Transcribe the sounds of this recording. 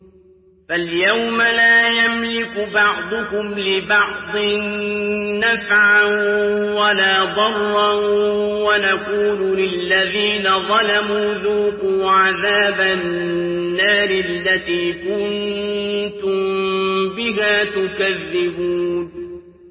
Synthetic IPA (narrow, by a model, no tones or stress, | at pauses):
faljawmalaːjamlɪkbɑʕd̪ˤʊkʊmlɪbɑʕd̪ˤɨnː | afʕanwalaːd̪ˤɑrˤːanwanaquːluːlɪlːaðiːnaðˤɑlamuːðuːkʊːʕaðaːba | nːaːɾɪlːat̪iːkʊn | t̪ʊmbɪɦaːt̪ʊkaðːɪbuːn